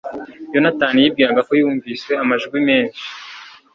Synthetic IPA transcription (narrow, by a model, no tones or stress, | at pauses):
jo̞nataːnijib̚ɡiːɾaɡakojiuːɱviːswe̞amaʒuɡwimeːnʃi̥